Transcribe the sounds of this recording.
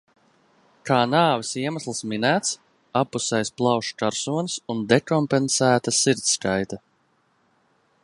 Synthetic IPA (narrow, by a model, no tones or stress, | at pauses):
kaːnaːvisiɛmaslˠsminæːt̪s | apːusɛjsplˠɑwʃkaɾsuɔnsund̪ɛkɔmpensæːt̪asiɾt̪skajt̪a